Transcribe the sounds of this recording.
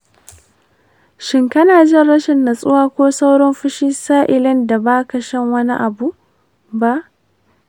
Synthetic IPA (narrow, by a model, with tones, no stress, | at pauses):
ʃɪ˦ŋkɐ˦naː˨d͡ʒɪ˦nɽɐ˦ʃɪ˨nːɐ˨sʼʊ˦waː˦kʷoː˦sa˦wɽɔ˦mɸɪ˦ʃiː˦saː˦ʔɪ˨lɪ˦nda˨baː˦kɐ˨ʃɐ˦ŋwɐ˦nḭ˦ʔa˨bu˨ | ba˦ʔ